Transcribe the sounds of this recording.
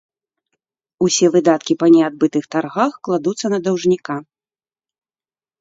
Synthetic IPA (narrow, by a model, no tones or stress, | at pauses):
usʲɛvɨd̪at̪kʲipɐnʲɛad̪̚bɨt̪ɨxt̪arɣaxklˠad̪ut̪sːɐnɐd̪ɐwʐnʲika